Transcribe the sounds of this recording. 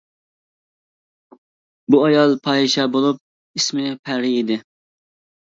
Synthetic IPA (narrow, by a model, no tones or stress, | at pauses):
buɑjɑlˠpʰɑːiʃɛbolˠup̚ | ismɪpʰæɾɪid̪ɪ